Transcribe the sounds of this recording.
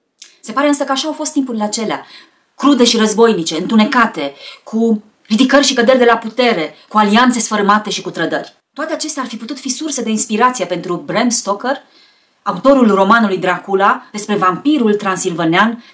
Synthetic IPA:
se̞paɾe̞ɨnsəkəaʃaːwfo̞st̪ːimpuɾileat͡ʃe̞lea | kɾud̪e̞ʃiɾəzbo̞jnit͡ʃe̞ɨnt̪une̞kat̪e̞kʰu | ɾid̪ikərʲʃikəd̪erʲd̪e̞laput̪e̞ɾe̞kualiant̪se̞sfəɾmat̪e̞ʃikut̪ɾəd̪ərʲ | t̪oat̪e̞at͡ʃe̞st̪earfiput̪ut̪fisursed̪e̞inspiɾat̪sije̞pe̞nt̪ɾubɾemst̪o̞kər | aut̪o̞ɾulro̞manulujd̪ɾakulad̪e̞spɾe̞vampiɾult̪ɾansilvənean

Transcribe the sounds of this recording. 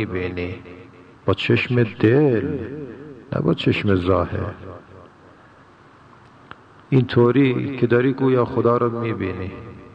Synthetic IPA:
ibeːni | b̥ɐt͡ʃʰeʃmed̪el | na̰bɐt͡ʃʰeʃmezɑːhḛɾ | int̪ʰoːɾiːkʰed̪ɐɾiːkuːjɑːxʊd̪ɑːɾɐkmiːbiːni

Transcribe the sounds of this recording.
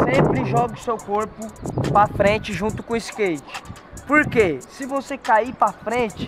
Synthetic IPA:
sẽpɾɪʒɔɡɪʊsewkoɾpʊpɾafɾẽt͡ʃɪʒũt̪ʊkõiskejt͡ʃɪ̥ | poɾkesɪvosekaipɾafɾẽt͡ʃɪ̥

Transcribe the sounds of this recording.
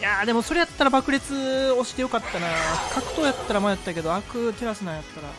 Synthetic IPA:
jaːd̪e̞mo̞so̞ɾe̞jat̪ːaɾabakɯɾʲit͡sɨo̞ɕi̥t̪e̞jo̞kat̪ːanakʰakɯ̟̥t̪o̞ːjat̪ːaɾamajat̪ːake̞d̪oakɯ̟t̪eɾasɨnajat̪ːaɾa

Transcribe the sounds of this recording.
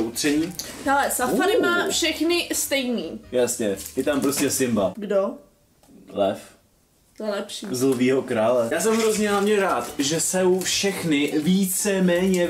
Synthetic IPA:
ut̪r̝̥ɛɲiːhɛlɛsafaɾɪmaːfʃɛxnɪst̪ɛjniːjasɲɛjɛt̪ampɾoscɛsɪmbaɡdo | lɛf | lɛpʃizlviːɦokɾaːlɛjaːs̬ɛmɦɾozɲɛamɲɛɾaːt̪ʒɛsɛwfʃɛxnɪviːt͡sɛmɛːɲɛ

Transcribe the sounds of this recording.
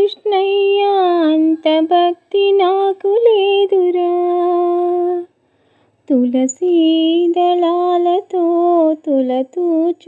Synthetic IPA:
ʂɳɐjɐɐnt̪ɐbʱɐk̚t̪inaːkuleːd̪uɾɐ | t̪ulɐsid̪ɐlaːlɐt̪ot̪ulɐt̪ut͡ʃ

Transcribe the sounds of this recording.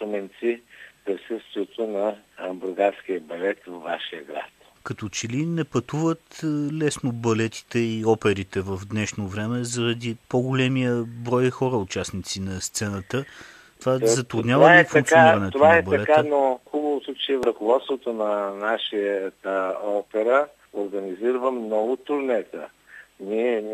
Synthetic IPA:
t̪omɛnt̪sipɾisəst̪viɛt̪onɐbʊɾɡaɾskiəbɐlɛt̪vɐvːaʃijəɡɾa̰t̪ | kɐt̪ɔt͡ʃɛlinɛpɐt̪uvət̪lɛsnobɐlɛt̪i̥t̪ɛiɔpɛɾit̪ɛvɐvd̪nɛʃnovɾɛmɛzɐɾɐd̪ipoɡolɛmijəbɾɔjxɔɾəʊt͡ʃasnit̪sinɐst̪sɛnət̪ə | t̪ovazɐt̪ɾud̪nɲʲjavəaɛfuɐŋkt̪koanɾɐnɛt̪ovaɛbɐɐlɛkaanoxubəvot̪ot͡ʃɛvɾɐkovɔt̪st̪vot̪onɐnaʃiət̪əɔpɛɾə | oɾɡɐniziɾəvəmnɔvʊt̪ʊɾnɛt̪ə̰ | niɛ

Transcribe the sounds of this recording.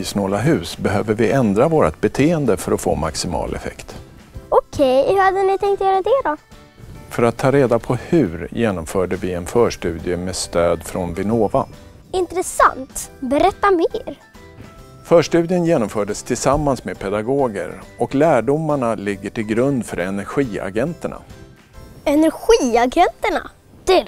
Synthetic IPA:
iːsnoːlaɦʉ̟ːsbɛɦøːvəɾvɪɛnd̪ɾavoːɾat̪̚bɛt̪ʰeːənd̪əfœɾɔfo̰ːma̰ksɪmɑ̰ːlʔɛ̰fɛ̰kt̪ | ɔkʰɛjhɵɾhad̪ənɪt̪ʰɛŋkt̪jœɾad̪eːɾa | fœɾat̪ʰːɑːɾeːd̪apʰɔhɵɾjeːnɔmfœːɖəvɪɛnfœːʂʈʉ̟ːd̪ɪjəmɛst̪øːd̪fɾɔnvɪnoːva̰ | ɪnt̪ɾɛsa̰nt̪bɛɾɛt̪ːameːɾ | fœːʂʈʉ̟ːd̪ɪənjeːnɔmfœːɖəst̪ʰɪlsamːansmepʰɛd̪aɡoːɡə̰ɾɔklæːɖʊmːaɳalɪɡːəʈɪlɡɾɵnd̪fœɾɛnæɾɧiːa̰ɡɛnt̪əɳa̰ | ɛnæɾɧiːaɡɛnt̪əɳa̰ | d̪̥ɛ

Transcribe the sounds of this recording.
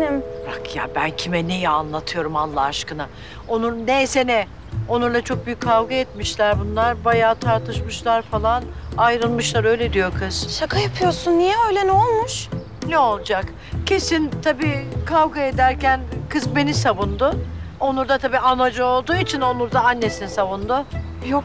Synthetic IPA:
nimbakja̰bæncʰimɛnejɛanlˠat̪ʰɯjo̞ɾumanlːˠaːʃkɯna | o̞nuɾnesenɛ | o̞nuɾlˠat͡ʃʰo̞k̚byjyckʰːavɡaɛt̪miʃlʲæɾbunlˠaɾbajaːt̪ʰaɾt̪ʰɯʃmɯʃlˠaɾfalˠanajɾɯlˠmɯʃlˠaɾø̞jlʲed̪ijo̞kʰɯz̥ʃakʰajapʰɯjo̞ɾsunːijɛø̞jlʲɛnɛolˠmuʃ | nɛo̞lˠd͡ʒak | cʰe̞sint̪ʰabiːkʰavɡaed̪æɾcʰænkʰɯzbe̞nisavund̪ʊo̞nuɾd̪at̪ʰabiːanad͡ʒɯo̞lˠd̪uːit͡ʃʰino̞nˠuɾd̪aanːe̞sinisavund̪ʊ | jok

